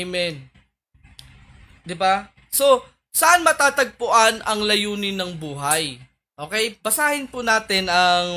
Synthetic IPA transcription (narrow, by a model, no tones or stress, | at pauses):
mɛn | d̪ɪba | so̞ | sɐʔanmɐt̪aːt̪ɐɡ̚pʊʔanʔɐŋlɐjuːnɪnːɐŋbuːɦɐj | ʔo̞ːkɛjbɐsaːhɪnpunaːt̪ɪnɐŋ